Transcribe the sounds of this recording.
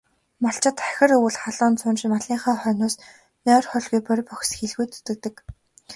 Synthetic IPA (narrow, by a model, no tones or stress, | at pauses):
mɔɬt͡ɕɪ̆t̪ḁxʲɪ̆ɾɵwɘ̆ɮχaɮʊːnt͡sʰʊnt͡ɕmaɮiːŋχaːχœːnʊːs | nœːrχœɮɣujpœɾ̆ʲpɔxʲsxiɮɣujt̪ɵ̥t̪ɘ̆k̚t̪ɘ̆k